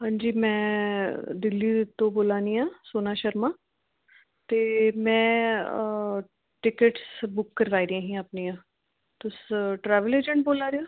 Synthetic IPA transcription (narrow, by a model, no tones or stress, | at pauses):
ɦãːɲd͡ʒiːmɛ̃ː | d̪ɪlːit̪õːboːlaːnijãːsoːnaːʃəɾmaː | t̪eːmɛ̃ː | ʈɪkəʈsbʊkːəɾʋaːiɾãːɦĩːəpnijãː | t̪ʊsʈɾɛːʋəleːd͡ʒə̃ɳʈ̚boːlaːɾejaː